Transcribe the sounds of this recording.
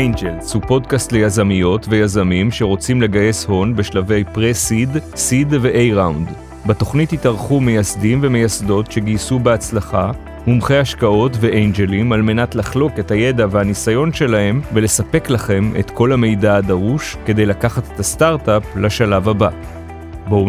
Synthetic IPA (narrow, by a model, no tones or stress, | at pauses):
ʔejnd͡ʒelshupo̞dkastle̞jazamijo̞tve̞jazamimʃe̞ʁo̞t͡simle̞ɡaje̞sho̞nbe̞ʃlave̞jpʁesid | sidve̞ʔejʁawnd̪ | bato̞χnithitaʁχumejasdimve̞me̞jasdo̞tʃe̞ɡisubeat͡slaχa | humχejhaʃkao̞tve̞ʔejnd͡ʒelimalme̞natlaχlo̞ke̞thaje̞davehanisajo̞nʃe̞lahe̞mve̞le̞sape̞klaχe̞mḛtkʰo̞lhame̞jdaːdaʁuʃke̞d̪e̞jlakaχate̥tast̪aʁtaplaʃalavaba | bo